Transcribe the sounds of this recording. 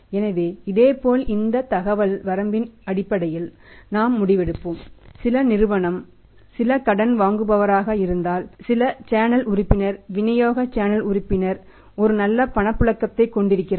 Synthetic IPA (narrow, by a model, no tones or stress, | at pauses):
ɛnɐʋeːɪðeːpoːlɪnd̪ɐt̪ɐɣɐʋɐlʋɐɾɐmbɪnɐɽɪpːɐɽɐjɪlnaːmːʊɽɪʋɛɽɯpːɯmsɪlɐnɪɾɯʋɐɳɐm | sɪlɐkɐɽɐnʋaːŋɡɯbɐʋɐɾaːɣɐɪɾɯnd̪aːlsɪlɐt͡ʃaːnɐlʊrɪpːɪnɐɾʋɪnɐjoːɣɐt͡ʃaːnɐlʊɾɪpːɪnɐɾ | ɔɾɯnɐlːɐpɐɳɐpːɯɭɐkːɐt̪ːɐɪkːɔɳɖɪɾɯkːɪr